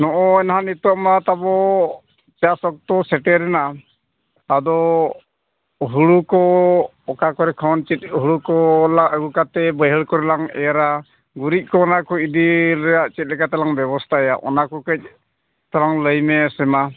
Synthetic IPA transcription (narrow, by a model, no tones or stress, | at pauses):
nɔʔɔɛnɦanit̪ɔʔmat̪abɔ | t͡ʃasɔk̚t̪ɔsɛʈɛɾɛna | ad̪ɔ | ɦuɽukɔ | ɔkakɔɾɛkʰɔnt͡ʃit̪̚ɦuɽukɔlaʔəɡukat̪ɛbəɦəɭkɔɾɛlaŋɛ̰ɾa | ɡuɾic̪̚ˀkɔːnakɔid̪iɾɛjaʔt͡ʃɛt̪̚ˀlɛkat̪ɛlaŋbɛbɔst̪ʰaɛjaʔɔ̰nakɔkəc̚ | t̪alaŋləjmɛsɛma